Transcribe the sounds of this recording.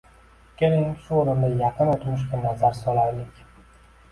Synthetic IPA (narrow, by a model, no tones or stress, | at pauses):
kʲʰelɪŋʃʊoɾɪnd̪ajɑqɨnot̪mʊʃ̬kʲanazaɾsɒlˠaɾlɪkʲ